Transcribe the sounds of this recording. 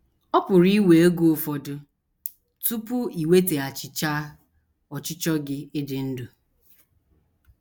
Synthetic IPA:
ɔ˦pʊ˨ɾi˦we˨o˦ɡo˦˨fɔ˨dʊ˦ | tu˦pʊ˦i˨we˦te˨a˨t͡ʃɪ˨t͡ʃaː˦ | ɔ˨t͡ʃɪ˦t͡ʃɔ˦ɡɪ˦ɪ˦dɪ˨n̩˦du˨

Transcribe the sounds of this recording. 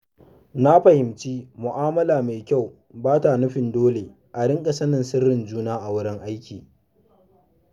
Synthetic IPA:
na˦ɸɐ˨hɪ˨mt͡ʃiː˦mʊ˨ʔaː˦mɐ˦laː˨meː˨kʲa˦˨w | baː˦ta˨nʊ˦ɸɪ˨ndoː˦le˨ | ʔa˨ɽɪ˦ŋkʼɐ˦sɐ˦nɪ˨nsɪ˦rːɪ˨nd͡ʒuː˦naː˦ʔa˨wʊ˦ɽɪ˦ŋʔa˦jkʲiː˨

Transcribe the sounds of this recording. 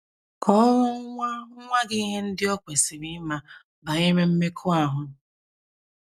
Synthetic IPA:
kʰɔ˦ŋɔ˦ŋʷa˦ʊ˦ŋʷa˦ɡɪ˦i˦ɦe˦n̩˦dɪ˦ɔ˦kʷe˨si˨mi˦ma˨ | ba˨ɲe˦me˦m̩˦me˦kʰʊ˦a˦ɦʊ˨

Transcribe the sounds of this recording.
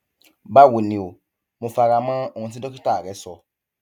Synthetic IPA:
ba˦˨wu˨nĩ˨o˨ | mũ˨fa˨ɾa˨mã˦ɔ˨ŋɔ̃˨s̬i˦ɔ˦ki˦ta˦˨ɾɛ˦sɔ˨

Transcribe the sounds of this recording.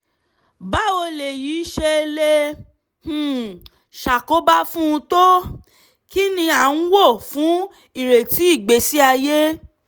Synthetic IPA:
ba˨˦o˧le˨jiː˨˦ʃe˧le˧ | h̩˨ | ʃa˨ko˨˦ba˦fũ˦ũ˧to˦ | ki˦nĩ˧a˨n̩˦wo˦˨fũ˨˦ | i˦˨ɾe˨ti˨˦i˦˨ɡ͡be˨˦si˦a˧je˦

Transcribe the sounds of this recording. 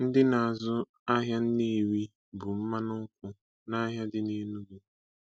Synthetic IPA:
n̩˦dɪ˦na˨a˨zʊ˦ | a˦ɦja˦n̩˦ne˦˨wi˦ | bʊ˨m̩˦ma˦nʊ˦ŋ̩˦kʷʊ˦ | na˦ɦja˦dɪ˦ne˦nu˦du˨

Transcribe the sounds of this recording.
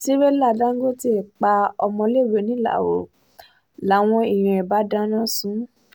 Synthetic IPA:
ti˦be˦la˦˨dã˦ŋ˦ɡo˦ti˦e˨k͡pa˧ɔ˧mɔ̃˧le˦˨we˨˦nĩ˨˦la̰˦˨wo̰˨ | la˨˦w̃ɔ̃˧i˨j̃ã˧˨ɛ˨ba˨˦dã˦nã˦sũ˨˦

